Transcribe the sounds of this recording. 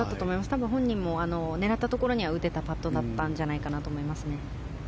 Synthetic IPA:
at̪ːat̪oːmo̞imasɨ̥t̪abɯ̟̃ɦõ̞ɲ̟ːĩmːo̞ano̞ne̞ɾat̪ːat̪o̞ko̞ɾo̞ɲ̟iβaɯ̟t̪e̞t̪apat̪ːo̞d̪at̪ːãɲ̟d͡ʑanaikanat̪o̞ːmo̞imasɨne̞

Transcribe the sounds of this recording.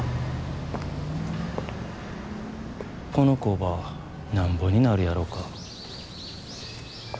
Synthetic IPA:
ko̞no̞koβa | nãmbo̞ɲ̟inaɾɯ̟jaɾo̞ːka

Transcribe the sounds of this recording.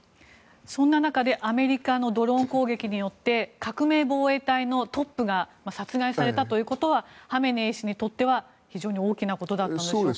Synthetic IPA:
sõ̞nːanakad̪e̞ʔame̞ɾʲikano̞d̪o̞ɾõ̞ŋko̞ːɡe̞kʲiɲ̟ijo̞t̪ːe̞kakɯ̟me̞ːbo̞ːe̞ːt̪aino̞t̪o̞pːɯ̟ɡamasat͡sɨɡaisaɾe̞t̪at̪o̞jɯ̟ːko̞t̪o̞βahame̞neːɕiɲ̟it̪o̞t̪ːe̞β̞a | çiʑo̞ːɲ̟io̞ːkʲinako̞t̪o̞d̪at̪ːanod

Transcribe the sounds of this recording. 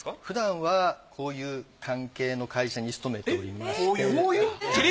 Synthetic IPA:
ɸɯ̟d̪ãɰ̃βakʰo̞ːjɯ̟ːkʰãŋke̞ːno̞kaiɕaɲ̟isɨ̥t̪o̞me̞t̪e̞o̞ɾʲimase

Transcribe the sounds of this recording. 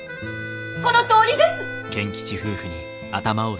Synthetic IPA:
ko̞not̪oːɾʲid̪esɨ̥ | kẽ̞ŋkʲi̥t͡ɕiɸɯ̟ːɸɯ̟ɲ̟i | at̪amao

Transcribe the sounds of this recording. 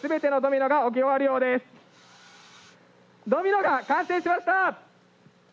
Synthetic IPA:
sɨbe̞t̪e̞no̞d̪o̞mʲino̞ɡao̞k̬ʲioβaɾɯjo̞ːd̪e̞sɨ̥ | d̪o̞mʲino̞ɡakãɰ̃sẽ̞ːɕimaɕi̥t̪a

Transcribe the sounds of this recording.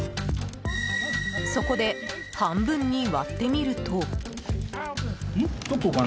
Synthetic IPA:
so̞ko̞d̪e̞ | hãmbɯ̟̃ɲ̟ːiβa̰t̪ːe̞mʲiɾɯ̟t̪o | it̪okoɡa

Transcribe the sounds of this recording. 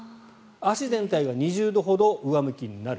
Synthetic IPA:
aɕizẽ̞nt̪aiɡaɲ̟iʑɨːd̪o̞ɦo̞d̪o̞ʔɯ̟βamɯ̟kʲiɲ̟inaɾɯ

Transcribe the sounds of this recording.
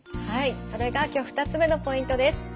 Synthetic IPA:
haiso̞ɾe̞ɡakʲo̞ːɸɯ̥t̪at͡sɨme̞no̞po̞ĩnt̪o̞d̪e̞sɨ̥

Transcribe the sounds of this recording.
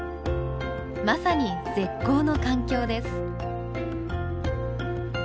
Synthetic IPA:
masaɲ̟ize̞kːo̞ːno̞kãŋkʲo̞ːd̪e̞sɨ̥

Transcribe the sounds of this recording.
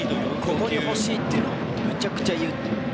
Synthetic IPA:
kokoɲʲiho̞ɕiːt̪ːeɯno | met͡ɕakɯ̟̥t͡ɕajɯ

